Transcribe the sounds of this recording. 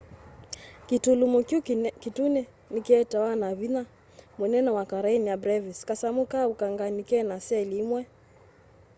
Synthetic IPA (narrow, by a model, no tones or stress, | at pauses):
kitulumukukitunɛ | nikɛtawanaβina | munɛnɔwakaɾainiabɾɛviskasamukaukaŋɡanikɛnasɛlimwɛ